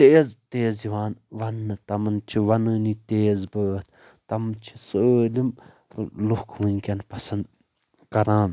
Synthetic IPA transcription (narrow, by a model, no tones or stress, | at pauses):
t̪eːzt̪eːziʋaːnʋɐnːɨt̪ɐmɐnt͡ʃʰiʋɐnɨnit̪eːzbəːt̪ʰ | t̪ɐmt͡ʃʰi̥səlim | lukʰʋunʲkʲɐnpɐsɐnd̪ | kɐɾãːn